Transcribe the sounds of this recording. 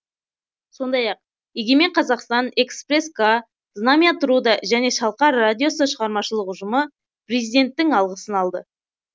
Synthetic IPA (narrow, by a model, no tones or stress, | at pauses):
so̞nd̪ɑjɑq̚ | je̞ɡʲe̞me̞ɴqʰɑzɑqst̪ɑne̞kspre̞skʰa | d̪namijat̪ʰʊɾud̪ɑʒæne̞ʃɑlˠqɑɾːad̪ʲijo̞səʃəʁɑɾmɑʃəlˠəqʊʒəmə | prezid̪ʲe̞nt̪ːɪŋɑlˠʁəsənɑlˠd̪ə